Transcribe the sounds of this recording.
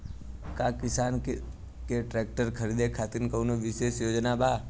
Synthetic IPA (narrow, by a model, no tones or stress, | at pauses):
kakɪsaːn | keʈɾɛːk̚ʈəɾkʰəɾid̪ekʰat̪inkəunoʋɪʃeʃjoːd͡ʒnabaː